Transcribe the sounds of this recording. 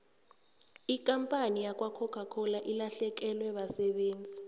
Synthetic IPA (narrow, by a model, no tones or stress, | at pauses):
ik̬ʼampʼanijakʼwakʰɔkʰakʰɔlaʔilaɬɛk̬ɛlwɛɓasɛɓeːnd͡zʱi